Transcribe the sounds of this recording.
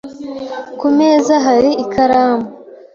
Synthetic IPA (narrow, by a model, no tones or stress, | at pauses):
kumeːzaɦaɾiikaɾaːmu